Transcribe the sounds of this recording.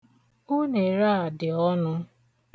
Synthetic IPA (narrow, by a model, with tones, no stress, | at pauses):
o˦ne˨ɾa˦a˨dɪ˨ɔ˦nʊ˧